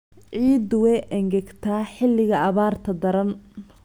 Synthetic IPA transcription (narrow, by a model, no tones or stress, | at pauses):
ʕiːd̪wɛjʔɐŋɡɐɡt̪ʰaːħɪlːɪɣɐʔɐβaːrt̪ʰɐd̪ɐɾɐn